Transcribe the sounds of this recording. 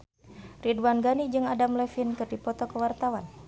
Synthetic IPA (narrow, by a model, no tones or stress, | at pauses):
ridwanɡanid͡ʒɨŋadamlɛfinkɨrdipɔt̪ɔkəwart̪awan